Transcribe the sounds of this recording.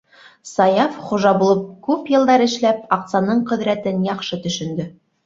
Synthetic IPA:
sɑjɑfχuʒɑbulˠɤp̚kʉpjɤ̆lˠd̪ɑɾɘ̆ʃlæp̚ɑq̪sɑnɤɴqɵ̆ðɾæt̪ɘnjɑqʃɤt̪ɵ̆ʃɵ̆nd̪ɵ

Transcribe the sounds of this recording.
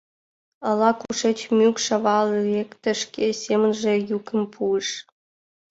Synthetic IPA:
ɑlɑkuʃet͡ɕmʲykʃɑβɑlekt̪ə̆ʃkʲesʲemənʒĕjukə̆mpʰuəʃ

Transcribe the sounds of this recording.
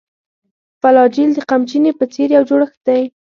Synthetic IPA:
falɑd͡ʒild̪əqamt͡ʃinepət͡seɾjawd͡ʒoɽəxd̪aj

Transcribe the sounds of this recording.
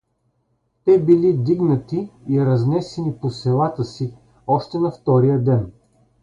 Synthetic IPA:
t̪ɛbilid̪iɡnɐt̪iːɾɐznɛsɛniposɛlˠat̪əsi | ɔʃt̪ɛnɐft̪ɔɾijəd̪ɛn

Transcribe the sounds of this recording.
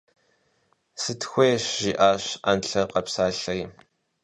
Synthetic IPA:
sɨtʰxʷeːʃʒiːʔaːɕanɬɐqɐpsaːɬɐi

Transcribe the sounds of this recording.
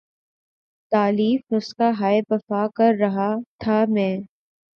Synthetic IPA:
t̪aːliːfnʊskaɦaːebɐfaːkɐɾːɐɦat̪ʰaːmɛ̃ː

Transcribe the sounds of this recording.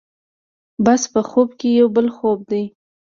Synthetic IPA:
baspəxobkejawbəlxob̚d̪aj

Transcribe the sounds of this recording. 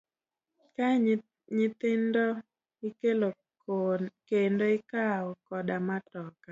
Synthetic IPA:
ka | ɲɪt̪ɪndɔ | ɪkelo | kendoɪkaɔkɔdamatɔka

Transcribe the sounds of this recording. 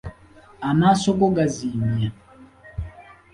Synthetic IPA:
anasɔɡɔɡazimia

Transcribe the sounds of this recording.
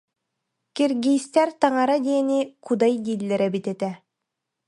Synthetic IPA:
kiɾɡʲijst̪ɛɾt̪ɑŋɑɾad̪iɛnikud̪ɑjd̪ilʲːɛɾɛbit̪ɛt̪ɛ

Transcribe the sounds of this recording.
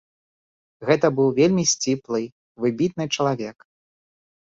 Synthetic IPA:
ɣɛt̪ɐbɨwvʲelʲmʲisʲt͡sʲiplˠɨ | vɨbʲit̪̚nɨt͡ʂɐlˠavʲɛk

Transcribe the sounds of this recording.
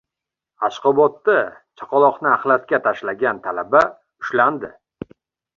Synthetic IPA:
aʃqɒbɒt̪ːat͡ʃʰɒ̥qʰɒlˠɒqnɪaχlaskʲat̪ʰaʃlaɡʲant̪ʰalaba | ʊʃland̪ɪ

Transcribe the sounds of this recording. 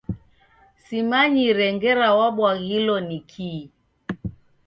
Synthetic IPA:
simaɲiɾɛŋɡɛɾawaɓwaɣilɔnikʰi

